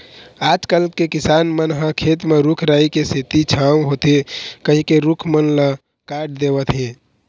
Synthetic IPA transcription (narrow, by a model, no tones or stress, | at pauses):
ad͡ʒkəlkekisanmənɦə̃kʰet̪meɾukʰɾaikeset̪it͡ʃʰaw̃ɦot̪ekəɦikeɾukʰmənlə | kaʈd̪ebət̪ɦĩ